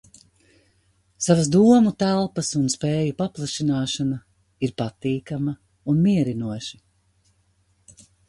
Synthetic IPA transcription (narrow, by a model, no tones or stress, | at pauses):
savasd̪uɔmut̪ælˠpɐsunspeːjupaplˠaʃinaːʃana | iɾpat̪iːkamɐ | unmiɛɾinuɔʃi̥